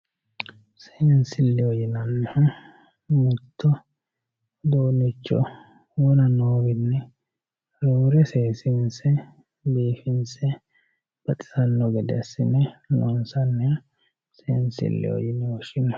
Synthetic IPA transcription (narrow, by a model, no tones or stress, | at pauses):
sensɪlːɪɔjɪnɐnːɛhʊ | mʊt̪ʰːɔ | d̪oːnɪt͡ʃːɔ̰ | wɔnɐnoːbɪnːɛ | ɾoːɾɛseːsɪnsɛ | d̪iːfɪnsɛ | b̥ɐt̪ʼɪ̥sɐnːɔɡɛd̪ɛ̰sɪnɛnɔnsɐnːɛ | sḛːnsɪ̰lːɪ̰ɔ̰jɪnɛwɔʃɪnɔ